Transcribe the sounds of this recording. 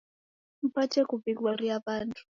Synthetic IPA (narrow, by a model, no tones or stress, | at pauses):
m̩patɛkubiɡwaɾiaβaːntʰu̥